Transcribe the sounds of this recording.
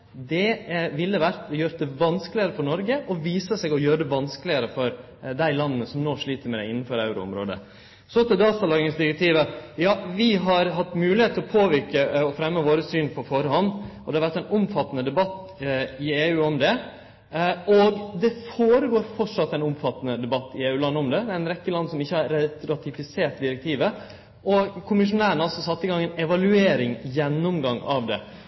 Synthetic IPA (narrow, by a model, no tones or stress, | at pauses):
d̪ɛʋɪlːəʋæɾt̪jøːɾəd̪ɛʋɑnsklɪəɾəfɔɳɔɾɡəʔɔʋiːsəsɛːɡɔjøːɾəd̪ɛʋɑnsklɪəɾəfɔɾ | d̪æɪlɑnːənəsɔmnoːʂɭiːt̪əɾmɛd̪æ̰ɪɪnːnfɔɾɑʉɾʊ̰ʊ̰mɾo̰ːd̪ə̰ | sɔt̪ɛd̪ɑːt̪ɑlɑːɡɪŋsd̪ɪɾɛk̚t̪ʰiːʋəjɑːʋɪɦɑɾɦɑt̪ːmʉːlɪheːt̪ʰːɪlɔpʰoːʋɪɾkəɔfɾɛmːəʋoːɾəsyːnpʰɔfɔɾhɔnːɔd̪ɛhɑɾʋæʈːæɪnʊmfɑt̪ːənəd̪ɛbɑt̪ː | ɪeːʉːɔmd̪ɛ | ɔɡd̪ɛfoːɾəɡoːɾfɔʈʂɑt̪ːæɪnʊmfɑt̪ːənəd̪ɛbɑt̪ːɪeːʉːlɑnːəɔmd̪ɛæɪnɾɛkːəlɑnsɔmɪçːəhɑɾɾɑt̪ɪfɪseːʈ̚d̪ɪɾɛk̚t̪ʰiːʋə | ʔɔkʰʊmɪʂ̬ʊnæːɾəɳɑlsɔsɑt̪ːɪɡɑŋːɛnɛʋɑlʉeːɾɪŋjɛnːʊmɡɑŋɑ̰ʋd̪ɛ̰